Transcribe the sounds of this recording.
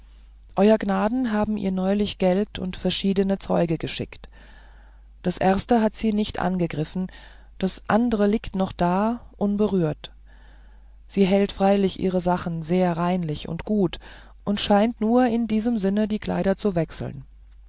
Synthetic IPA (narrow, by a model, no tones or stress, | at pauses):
ʔɔʏɐɡnaːdn̩ɦaːbm̩ʔḭːɐnɔʏlɪçɡ̥ɛltʰʊ̰ntfɛɐʃiːdənət͡sɔ̰ʏɡəɡəʃɪ̰kt | d̥asʔɛɐstəɦatz̥iːnɪçtʔa̰nɡəɡʁɪfn̩ | d̥asʔa̰ndəʁəliːktnɔχd̥aːʔʊnbəʁyːɐt | z̥iːɦɛltfʁ̥aɪlɪçʔḭːʁəzaχn̩zeːɐʁaɪnlɪçʊ̰ntɡ̥uːt | ʔʊntʃaɪntnuːɐɪndiːzəmzɪnədiːkʰl̥a̰ɪɾɐt͡suvɛksl̩n